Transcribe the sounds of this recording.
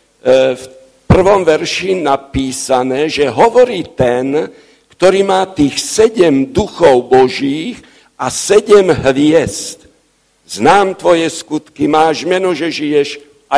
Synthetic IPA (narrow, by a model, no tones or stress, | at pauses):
f | pr̩ʋɔmʋɛɾʃinapiːsanɛːʒɛɦɔʋɔɾiːt̪ɛn | kt̪ɔɾiːmaːt̪iːxsɛɟɛmd̪uxɔʊbɔʒiːx | asɛɟɛmɦʋɪɛst̪ | znaːmt̪ʋɔjɛskut̪kimaːʒmɛnɔʒɛʒijɛʃ | ʔa